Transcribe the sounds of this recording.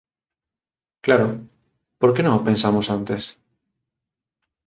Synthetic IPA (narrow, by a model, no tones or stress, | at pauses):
klaɾo | poɾkenõŋopẽnsamosant̪es